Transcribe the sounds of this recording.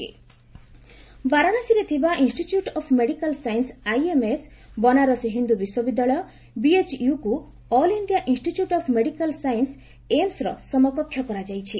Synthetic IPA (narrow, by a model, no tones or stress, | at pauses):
baɾanasiɾet̪ʰibaʔinsʈiʈjuʈɔpʰmeɽikalsajnsajemes | bɔnaɾɔsiɦind̪ubiswɔbid̪ːaɭɔjɔ | biet͡ʃjuku | ɔliɳɖijaʔinsʈitjuʈɔpʰmeɽikalsajns | emsɾɔ̰sɔmɔkɔkʰːjɔkɔɾad͡ʒajt͡ʃʰi